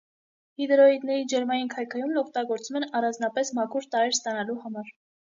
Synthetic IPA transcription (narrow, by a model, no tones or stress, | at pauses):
hid̪ɾɔid̪nɛɾid͡ʒɛɾmɑjinkʰɑjkʰɑjumlɔk̚ʰt̪ɑɡɔɾt͡sumɛnɑrɑnd͡znɑpɛsmɑkʰuɾt̪ɑɾɛɾst̪ɑnɑluhɑmɑɾ